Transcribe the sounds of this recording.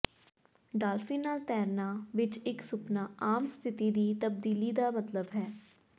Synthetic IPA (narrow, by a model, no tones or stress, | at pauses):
ɖaːlfĩːnaːlt̪ɛːɾnaːʋɪt͡ʃɪksʊpnaːaːmst̪ʰɪt̪iːd̪iːt̪əb̚d̪iːliːd̪aːmət̪ləbɦɛː